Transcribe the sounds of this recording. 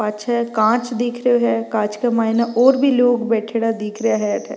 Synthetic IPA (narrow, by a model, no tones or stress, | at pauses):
ɐʃʰaɦɛkãːt͡ʃd̪eːkʰɾəjoɦɛːkãːt͡ʃkamaːɦɪnaʔɔːɾbʱiːloːɡbɛːʈʰeɽad̪eːkʰɾəjaɦɛʈʰɛ̰ː